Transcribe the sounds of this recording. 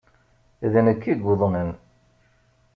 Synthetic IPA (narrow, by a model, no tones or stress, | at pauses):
iðənəkːiɡoðˤnən